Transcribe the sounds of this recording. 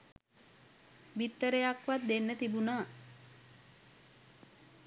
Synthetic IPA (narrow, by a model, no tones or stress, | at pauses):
ʋit̪ːəɾəjakʋat̪̚d̪enːət̪ibunaː